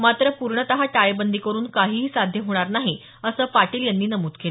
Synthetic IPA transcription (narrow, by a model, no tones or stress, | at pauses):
mat̪ɾəpuɾɳət̪əɦaʈajbənd̪iːkəɾuːnkaɦiːɦiːsad̪ʱjəɦoɽ̃aɾnaɦi | əsəːpaʈiːljanːiːnəmuːt̪kʰel